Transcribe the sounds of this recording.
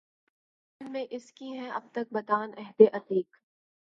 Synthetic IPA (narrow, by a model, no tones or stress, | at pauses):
nmẽʔɪskiɦɛ̃ʔɐb̚t̪ɐk̚bɐt̪aːnɛɦd̪eʔɐt̪iːk